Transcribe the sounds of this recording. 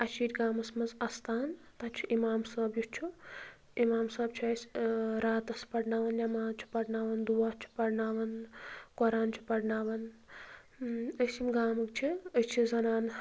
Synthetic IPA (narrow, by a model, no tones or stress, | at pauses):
ɐʃiːɾʲɡaːmɐsmɐzɐst̪ʰaːn | t̪at͡ʃʰuʔimaːmsɐːbjut͡ʃʰu | imaːmsɐːbt͡ʃʰiɐsɾaːt̪ɐspɐɽnaːʋɐnjɐmaːnt͡ʃʰi̥pɐɽnaːʋɐnd̪uʋaːt͡ʃʰu̥pɐɾnaːʋɐnkɔɾaːnt͡ʃʰi̥pɐɽnaːʋɐn | əsimɡaːmɨk̚t͡ʃʰiət͡ʃʰizɐnaːn